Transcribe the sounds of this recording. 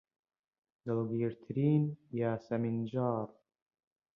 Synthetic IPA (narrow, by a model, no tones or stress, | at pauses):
d̪əlɡiːɾt̪ʰɾiːnjaːsamɪnd͡ʒɑːɾˤ